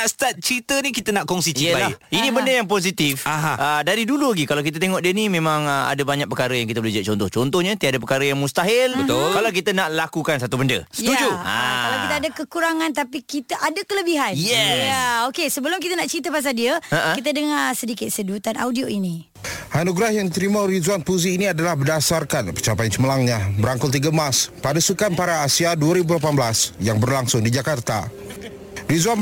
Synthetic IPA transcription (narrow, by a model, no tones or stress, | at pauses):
aʔst̪at̪̚t͡ʃɾit̪ənikit̪ənaʔkɔŋsiialainĩbəndəjaŋp̬os̬it̪ifaɦaədaɾiduluaɡikalawkit̪̬ət̪eŋɔʔdiənimẽmãŋəa̰dəbaɲaʔ̚pəkaɾəjaŋkit̪əbolid͡ʒaʔ̚t͡ʃɔnt̪ɔht͡ʃɔnt̪ɔhɲət̪iadəpəkaɾəjaŋmust̪aɦɪlbət̪ʊlkalawkit̪ənaʔlakukansat̪ubəndə̰sə̥jt̪ud͡ʒua̰alawkit̪aadəkəkuɾaŋãnt̪apikit̪əʔadəkələbiɦanjɛjaokesəbəlʊmk̬it̪ənaʔt͡ʃint̪əpas̬aldiəaʔkit̪̬ədəŋasədikɪt̪̚sədut̪ana̰wdioini | hanuɡɾahjaŋdit̪əɾimaɾizwanpuziːniadalahbədasarkanpərt͡ʃapajnt͡ʃəməlaŋɲabəɾaŋkʊlt̪iɡamaspadasukanpaɾaːsiaduəɾibulapanbəlasjaŋbərlaŋsʊŋdid͡ʒakart̪a̰ | rizwan